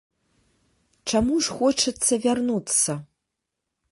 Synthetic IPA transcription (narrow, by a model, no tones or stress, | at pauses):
t͡ʂamuʐxɔt͡ʂɨt̪sːɐvʲarnut͡sːɐ